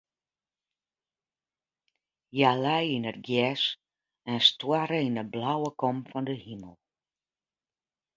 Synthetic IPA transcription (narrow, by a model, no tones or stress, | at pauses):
jalɛjinətɡjɛs | ɛnstwaɾəinəblawəkɔmfɔndəhiməlˠ